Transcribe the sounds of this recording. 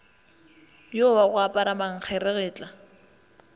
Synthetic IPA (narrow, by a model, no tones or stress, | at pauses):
jowaɣʊapʼaɾamaŋ̩k͡xʰɛɾɪɣɪːt͡ɬʼa